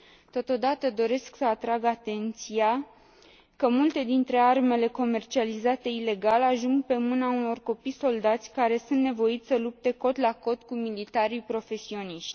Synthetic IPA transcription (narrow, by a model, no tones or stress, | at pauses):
t̪o̞t̪o̞d̪at̪əd̪o̞ɾe̞sksəat̪ɾaɡat̪e̞nt̪sia | kəmult̪e̞d̪int̪ɾe̞arme̞le̞ko̞me̞rt͡ʃializat̪e̞ile̞ɡalaʒuŋɡ̚pe̞mɨnauno̞rko̞pijso̞ld̪at̪sʲkaɾe̞sunt̪nevo̞it̪sʲsəlup̚t̪e̞ko̞t̪lako̞t̪kumilit̪aɾipɾo̞fe̞sio̞niʃt̪ʲ